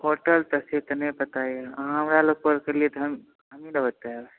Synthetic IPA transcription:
pʰoɾʈəlt̪əset̪ənəjpət̪ajɦãɦəmɾaloɡ̚pəɾkəɾliet̪ɔɦəm | ɦəminəbət̪abe

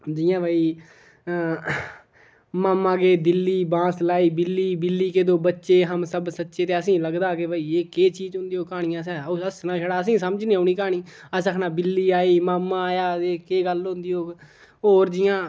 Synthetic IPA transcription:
d͡ʒɪjãːbəiː | maːmãːɡeːd̪ɪlːiːbãːslaːiːbɪlːiːbɪlːiːkeːd̪oːbətːʃeːɦəmsəbsətːʃeːt̪eːəsĩːləɡd̪aːkebəiːeːkeːt͡ʃiːd͡ʒɦʊ̃nd̪iːoːkaːɽ̃ĩjãːsɛːoəsnãːʃəɽaːəs̬ĩːsəməd͡ʒnĩːaːñiːkaːɽ̃iːəsəkʰnãːbɪlːiːaːiːmaːmːãːjaːeːkeːɡəlɦʊ̃nd̪iːoː | ɦoːɾd͡ʒɪjãː

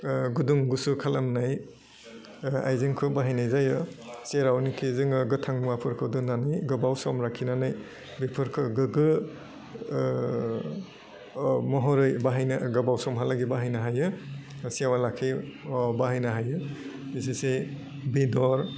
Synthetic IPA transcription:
ɡuduŋɡusukʰalamnaj | a̰jzɯŋkʰɯbaɦajnajzajɯseɾawnikʰizɯŋɯɡɯtʰaŋmuapʰɯɾkʰɯdɯnanɯjɡɯbawsɔmɾakʰinanɯj | bipʰɯɾkʰɯɡɯɡɯ | mɔɦɔɾɯjbaɦajnaɡɐbawsɔmɦalaɡibaɦajnaɦajɯsiawalakʰibaɦajnaɦajɯisese | bidɔɾ

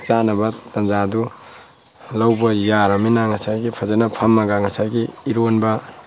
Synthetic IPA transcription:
kt͡ʃanɐbɐtanzadu | lawbɐjaɾaminaŋɐsajɡipʰazenɐpʰamːaɡaŋɐsajɡiːɾonbɐ

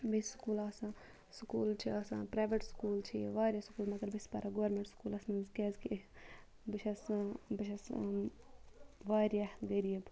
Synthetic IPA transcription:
bisskuːlaːsã | skuːlt͡ʃʰiɐsãːpɾaːʋeʈskuːlt͡ʃʰiʋaːɾʲjɐskuːlmɐk̪ɐɾbispɐɾɐɡoʋɐɾmẽɳʈskuːlɐsnɐzkɛːzki | biʃʰɐsbiʃɐs | ʋaːɾjaɡɐɾiːb

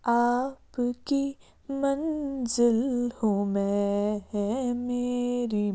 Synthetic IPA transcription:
aːpki | mɐ̃nzɪlhomɛ̃ɦɛmeːɾi

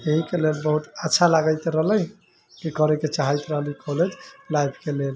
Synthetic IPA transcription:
eɦĩkelelbəɦut̪ətːʃʰalaɡəjt̪ɾəɦləj | kikəɾeket͡ʃaɦəjt̪ɾəɦlikʰɔled͡ʒlajbʱkelel

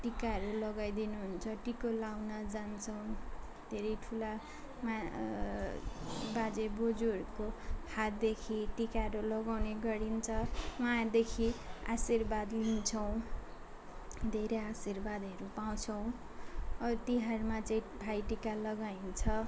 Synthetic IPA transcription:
ʈikaɦʌɾulʌɡajd̪inuɦunt͡sʰʌʈikolawnʌd͡zant͡sʰʌw̃ | d̪ʱeɾʌjʈʰula | ma | bad͡zebod͡zuɦʌɾukohat̪̚d̪ekʰiʈikaɾulʌɡawneɡʌɽint͡sʰʌmajad̪ekʰia̰sirbad̪lint͡sʰʌw̃ | d̪ʱeɾejasirbad̪ɦʌɾupaw̃t͡sʰʌw̃ | ʌt̪iɦaɾmat͡saĩbʱajʈikalʌɡaint͡sʰʌ

